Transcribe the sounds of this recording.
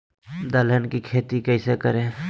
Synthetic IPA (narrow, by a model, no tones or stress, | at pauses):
d̪ələnkikʰeːt̪ikəɪsekəɾẽː